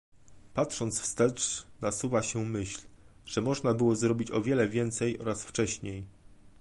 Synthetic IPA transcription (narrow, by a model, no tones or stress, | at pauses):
patʂɔnt̪sfst̪ɛt͡ʂnasuvaɕɛmɘɕl | ʐ̥ɛmɔʐnabɘwɔzɾɔbʲit͡ɕɔvʲjɛlɛvʲjɛnt̪sɛjɔ̰ɾasft͡ʂɛɕɲej